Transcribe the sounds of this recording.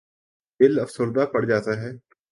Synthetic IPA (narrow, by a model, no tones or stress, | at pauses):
d̪ɪləfsəɾd̪aːpɐɽd͡ʒaːt̪aɦɛː